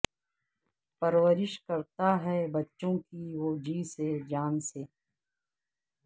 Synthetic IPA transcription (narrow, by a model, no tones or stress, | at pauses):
pɐɾwəɾɪʃkɐɾt̪aɦɛbɐtːʃõkiwoːd͡ʒiːsed͡ʒaːnseː